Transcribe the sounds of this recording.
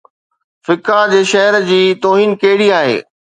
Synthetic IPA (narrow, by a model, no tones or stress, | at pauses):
fɪkad͡ʑeːʃɛɦəɾd͡ʑiːt̪oːɦiːnkɐɦɪɽiaːɦḛː